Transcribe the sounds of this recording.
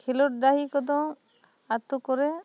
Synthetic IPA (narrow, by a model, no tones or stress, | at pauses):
kʰilɔʈ̚ɖaɦikɔd̪ɔ̃ | at̪ukɔɾɛ